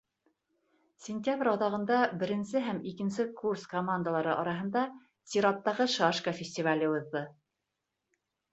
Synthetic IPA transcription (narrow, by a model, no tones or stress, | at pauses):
sʲɪnʲtʲjabɾʲɑðɑʁɤ̆nd̪ɑbɘ̆ɾɘ̆nsɘɦæmikɘ̆nsɘkurskomand̪əlˠɑɾɤʔɑɾɑɦɤ̆nd̪ɑ | sʲiɾat̪ːɑʁɤʃɑʃkəfʲɪsʲtʲivalʲɘuðːɤ